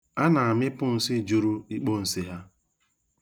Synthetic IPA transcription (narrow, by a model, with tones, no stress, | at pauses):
a˦na˨a˨mɪ˦pʊ˦n̩˨˦sɪ˦˨d͡ʒu˦ɾu˦i˦k͡po˦˨n̩˨si˦ɦa˦